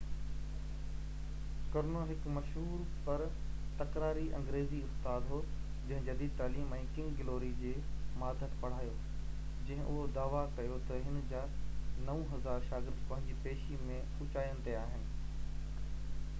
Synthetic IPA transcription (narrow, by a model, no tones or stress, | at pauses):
kɐɾnoɦɪkmɐʃɦuːɾ | pɐɾt̪ɐkɾaːɾiʔɐ̰̃ŋɡɾeːziʊst̪aːd̪ɦoː | d͡ʑɐ̃ɦɪ̃d͡ʑɐd̪it̪aːliːmɛ̃ːkɪ̃ŋɡɡɪloːɾid͡ʑeːmaːd̪ʱət̪pɐɽ̤aːjo | d͡ʑɐ̃ɦɪ̃ʔʊɦod̪aːʋakɐjot̪ɐɦɪnd͡ʑaːnɐʋũɦɐzaːɾʃaːɡɪɾd̪pɐ̃ɦɪ̃ɲd͡ʑipeːʃimẽ | ʊt͡ɕaːjəñɪ̆t̪eaːɦɪnɪ̆